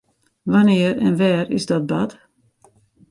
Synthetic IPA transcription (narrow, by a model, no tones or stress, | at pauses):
vaniːɾɛ̰nvɛːɾḭst̪at̪̚bad̪